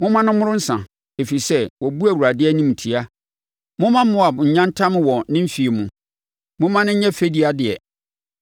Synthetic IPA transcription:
mʊ̃˦mã˦nʊ̃˦mʊ̃˦ɾʊ̃˦n̩˦sã̰˨ | e˨fi˨i˨sɛ˦wɔ˨bu˦æ˨wu˨ɾa˨dɪ˦ɛ˦nĩ˦m˨tʰi˨a˦ | mʊ̃˦mã˦m˦mʊ̃˦a˨bʊ̃˨ɲ̩˨ɲã˦n˦tʰã˦m̃˦wɔ̃˨nɪ̃˦m̩˦fi˨e˨mũ˨ | mʊ̃˦mã˦nɪ̃˦ɲ̩˦ɲɛ̃˦fe˦di˨˦a˨dɪ˨ɛ˨

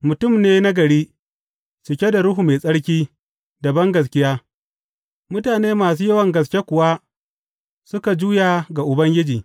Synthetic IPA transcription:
mʊ˨tʊ˦˨mneː˦na˦ɡɐ˨ɽiː˦ | sʊ˨kʲe˦da˨ɽʊ˦ɦu˨meː˨sʼɐ˦ɽkʲiː˦ | dɐ˨bɐ˦ŋɡɐ˨s̬kʲɪ˦jaː˦ | mʊ˦taː˨neː˦maː˨suː˦jɐ˦wɐ˨ŋɡɐ˨s̬kʲe˦kʷʊ˨wa˦ | sʊ˦ka˨d͡ʒuː˦jaː˨ɡa˨ʔʊ˨bɐ˦ŋɡʲɪ˦d͡ʒiː˨

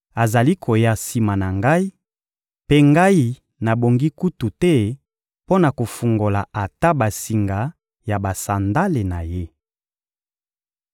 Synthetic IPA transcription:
a˨za˨li˦kʰo˨ja˦si˨ma˨na˨ŋɡa˦i˦ | pe˦ŋɡa˦i˦ | na˨bo˨ŋɡi˦ku˦tu˨tɛ˦ | po˦na˨ko˨fu˨ŋɡo˨la˨a˨ta˦ba˨si˨ŋɡa˨ | ja˨ba˨sa˨nda˦le˨na˨je˦

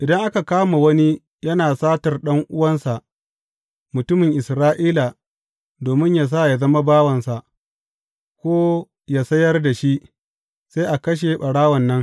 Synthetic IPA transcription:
ʔɪ˨dɐ˦ŋʔa˦ka˨kaː˦ma˨wɐ˦ni˦ | jɐ˦naː˨saː˦tɐ˨rɗɐ˦ŋʔʊ˦wɐ˦nsa˨ʔ | mʊ˨tʊ˦mɪ˨ŋʔɪ˨sɾaː˦ʔiː˦la˨ | doː˨mɪ˦ɲjaː˨s̬a˦˨ja˨zɐ˦ma˦baː˦wɐ˨nsa˨ʔ | kʷoː˦ | jaː˦˨sɐ˦jɐ˦rda˨ʃi˦ʔ | sa˦jʔa˨kɐ˦ʃ̬e˨ɓɐ˨ɽaː˦wɐ˨nːɐ˦ŋ

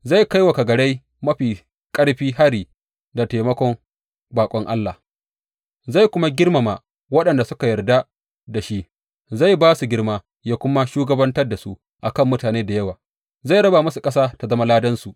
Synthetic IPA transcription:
za˦˨jka˦jwa˨ka˨ɡɐ˨ɽe˦j | mɐ˦ɸiː˨ | kʼɐ˦ɽɸiː˦ɦa˦ɽiː˨ | da˨teː˨mɐ˦kʷɔ˦ŋ | baː˨kʷʼɔ˦ŋʔa̰˦lːa˨ | za˦˨jkʷʊ˦ma˦ɡʲɪ˦rma˨ma˨ | wɐ˦ɗɐ˨nda˨sʊ˦ka˨jɐ˨rda˦ | da˨ʃi˦ʔ | za˦˨jbaː˦su˨ɡʲɪ˦ɽmaː˦ | jaː˦kʷʊ˦ma˦ʃuː˦ɡɐ˦bɐ˦ntɐ˦rda˨su˦ʔ | ʔa˨kɐ˦˨mːʊ˦taː˨neː˦da˨jɐ˦waː˨ | za˦˨ɽɐ˦ba˨mɐ˦su˨kʼɐ˦saː˦ta˨zɐ˦ma˦laː˦dɐ˦nsu˨ʔ

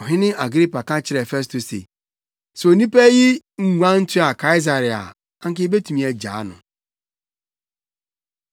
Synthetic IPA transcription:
ɦɪ˦nɪ˦a˨ɡɾi˦pa˨ka˦t͡ʃɪ˦ɾe˨fe˦s̬to˨sḭ˨ | so˨ni˦pe˦ɣi˦ŋ̩˦ŋʷa˦n̩˦tu˦a˨ka˦i˦za˨ɾi˨a̰˨ | a˦ŋ̩˦k̬ɪ˦be˦tu˨mi˨˦e˨d͡ʒa̰˨a˦nʊ̰˨

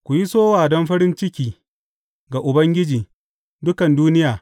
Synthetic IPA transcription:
kʷʊ˨ji˦soː˦waː˨dɔ˦mɸɐ˦ɾɪ˦nt͡ʃɪ˦kʲiː˨ | ɡa˨ʔʊ˨bɐ˦ŋɡʲɪ˦d͡ʒiː˨ | dʊ˦kɐ˨nduː˦nɪ˦jaː˨

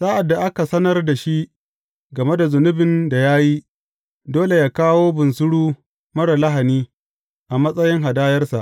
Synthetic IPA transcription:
saː˦ʔa˨dːa˨ʔa˦ka˨sɐ˦nɐ˦rda˨ʃi˦ʔ | ɡɐ˨me˦da˨zʊ˨nʊ˦bɪ˨nda˨jaː˦ji˦ | doː˦le˨jaː˦kaː˦woː˦bʊ˨nsʊ˦ɽuː˦ | mɐ˦ɽa˨la˦ɦa˨niː˦ | ʔa˨mɐ˦sʼɐ˦jɪ˦ŋɦa˨daː˦jɐ˦rsa˨ʔ

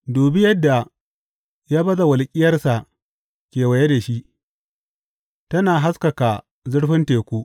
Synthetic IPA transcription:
doː˨bɪ˦jɐ˦dːa˨ | jaː˦bɐ˦za˨wɐ˨lkʲʼɪ˦jɐ˦rsa˨ | kʲeː˨wɐ˨je˦da˨ʃi˦ʔ | tɐ˦naː˨ɦa˦skɐ˨ka˨ | zʊ˦ɽɸɪ˦nteː˨kʷuː˦

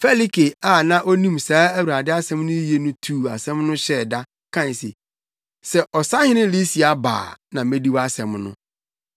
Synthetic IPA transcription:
fe˦li˦ke˨a˦˨nã˦ʔo˦nĩ˦msaː˦æ˦wu˨ɾa˨dɪ˦a˦sɛ̃˦mnʊ̃˦je˦nʊ̃˦tʰuː˦˨a˨sɛ̃˦mnʊ̃˦ɕɛ˦˨da˦ | kʰã˦n˨sɪ̰˨ | sɛ˦˨ʔɔ˨sa˦hɪ̃˦nɪ̃˦li˦si˨a˨ba̰ː˨nã˨mẽ˦di˦wa˦sɛ̃˨mnʊ̰̃˦

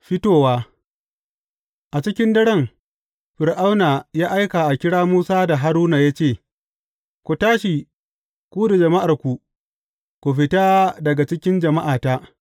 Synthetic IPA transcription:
ɸɪ˦toː˦waː˦ | ʔa˨t͡ʃɪ˦kʲɪ˦ndɐ˦ɽɛ˦ŋ | ɸɪ˨ɾʔa˦wnaː˨jaː˦ʔa˦jka˨ʔa˨kʲɪ˦ɽaː˦muː˦saː˦da˨ɦa˦ɾuː˦naː˨jaː˦t͡ʃeː˦˨ | kʷu˨taː˦ʃi˨ | kʷuː˦da˨d͡ʒɐ˨ma˦ʔa˨rkʷu˨ | kʷu˨ɸɪ˦taː˦dɐ˨ɡa˨t͡ʃɪ˦kʲɪ˦nd͡ʒɐ˨ma˦ʔaː˨taː˦ʔ

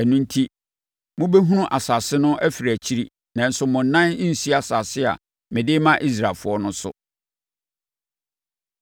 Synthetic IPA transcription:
æ˨nũ˦n̩˦tʰi˦ | mʊ̃˦be˦ɦu˦nʊ̃˦ʔa˨sa˨sɪ˦nʊ̃˦ʔæ˦fi˨ɾæ˨t͡ɕʰi˦ɾi˦ | nã˨n̩˦sʊ˦mʊ̃˨n̩˨nːã˦nĩ˦n̩˨si˦a˨sa˨sɪ˦a̰˨ | mɪ̃˨dɪ˦mã˦ʔi˦s̬ɾa˨fʊ˨˦ɔ˦nʊ̃˦sʊ̰˦

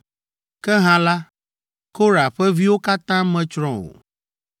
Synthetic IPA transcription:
kɛ˦ɦã˨la˦ | ko˦ɾa˨ɸɛ˦vi˦wo˦ka˦t̪ã˦mɛ̃˨t͡ʃɾɔ̃˦wo̰˨

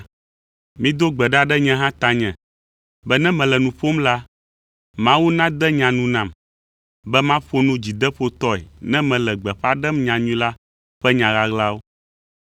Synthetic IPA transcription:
mĩ˦d̪o˦ɡ͡bɛ˨ɖa˦ɖɛ˦ɲɛ̃˦ɦã˦t̪a˨ɲɛ̃˨ | bɛ˦nɛ̃˦mɛ̃˨lɛ˨nũ˨ɸo˦mla˦ | mã˦wu˦nã˦d̪ɛ˦ɲã˨nũ˦nã˨m | bɛ˦mã˦ɸo˦nũ˦d͡ʑi˨d̪ɛ˦ɸo˦t̪ɔ˦ɛ̰˨nɛ̃˦mɛ̃˨lɛ˨ɡ͡bɛ˨ɸa˦ɖɛ˦mɲã˨ɲũ˦la˦ | ɸɛ˦ɲã˨ɣa˦ɣla˦wo˦

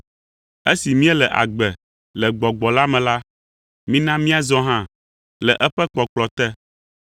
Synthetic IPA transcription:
e˦si˨mĩ˦ɛ˦lɛ˨ʔa̰˨ɡ͡bɛ˨ | lɛ˨ɡ͡bɔ˨ɡ͡bɔ˨la˦mɛ̃˨la˦ | mĩ˦nã˦mĩ˦a˨zɔ˦ɦã˦ | lɛ˨ʔɛ˦ɸɛ˦k͡pɔ˨k͡plɔ˨t̪ɛ˦

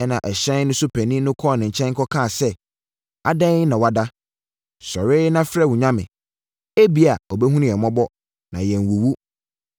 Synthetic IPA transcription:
ɛ˦nã˨ʔɛ˨ɕɛ̃˦n˦nʊ̃˦sʊ˦pʰæ˨nĩ˦nʊ̃˦kʰɔ˦˨nɪ̃˨ɲ̩˨t͡ɕʰɛ̃˦ŋ˦kʰɔ˦kʰã˦˨sɛ˦ | a̰˦˨dã˦nã˨wa˨da˦ | sɔ˨ɾɪ˦nã˦fɾɛ˦˨wu˨ɲã˦mɪ̃˨ | e˦bi˨˦a˨ɔ˨bɛ˦ɦũ˦nɪ̃˦˨ɛ˨mɔ̃˦bɔ˦ | nã˨jɛ˨n˨wu˨wu˦

